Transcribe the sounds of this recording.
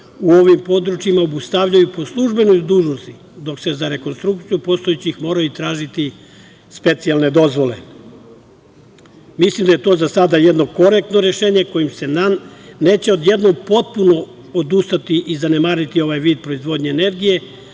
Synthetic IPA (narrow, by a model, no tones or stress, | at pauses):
uo̞ʋimpo̞d̪ɾut͡ʃimaobust̪aʋʎajupo̞slˠuʒbe̞nojd̪uːʒnost̪i | d̪o̞kse̞zaɾe̞ko̞nst̪ɾukt̪sijupo̞st̪o̞jet͡ɕixmo̞ːɾajut̪ɾaːʒit̪i | spe̞t̪sialˠne̞d̪o̞zʋo̞le̞̰ | mislˠimd̪aje̞t̪o̞ːzasad̪ajed̪no̞ko̞ɾek̚t̪no̞ɾe̞ʃe̞ːɲe̞ko̞jimse̞ | ne̞ːt͡ɕeo̞d̪je̞d̪no̞ɡpo̞t̪̚puno̞ | od̪ust̪at̪iʔizanemaːɾit̪io̞ʋajʋiːd̪̚pɾo̞izʋo̞d̪ɲeːne̞ɾɡije̞